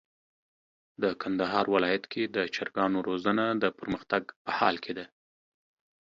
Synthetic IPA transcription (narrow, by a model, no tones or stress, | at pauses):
d̪əkʰand̪aɦɑ̰ɾwɪlɑjat̪kʰed̪ət͡ʃaɾɡɑnoɾozanad̪əpəɾməxt̪aɡpəhɑ̰lkʰed̪a